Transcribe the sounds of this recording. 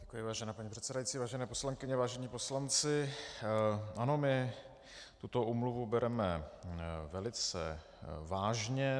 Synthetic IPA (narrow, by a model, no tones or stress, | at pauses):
ɟɛkujɪvaːʒɛnaːpaɲipr̝̥ɛt̪sɛdajit͡siːvaːʒɛnɛːpo̞slaŋkɪɲɛvaːʒɛɲiːpo̞slant͡sɪ | ʔano̞mɪ | t̪ut̪o̞ʔuːmluvubɛɾʔɛmɛ | vɛlɪt͡sɛ̰ | vaːʒɲɛ